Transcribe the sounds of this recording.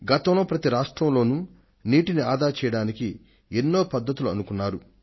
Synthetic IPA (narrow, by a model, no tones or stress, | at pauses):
ɡɐt̪ɐmlo̞ːpɾɐt̪iɾaːʂʈɾɐmlo̞ːnu | niːʈiniaːd̪aːt͡ʃɛːjɐɽaːniki | enːo̞ːpɐd̪ːɐt̪̬uluɐ̰nukunːaːɾu